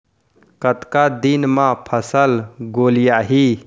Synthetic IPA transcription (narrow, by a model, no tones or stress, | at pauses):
kət̪kad̪inmãpʰəsəlɡoːlijaɦi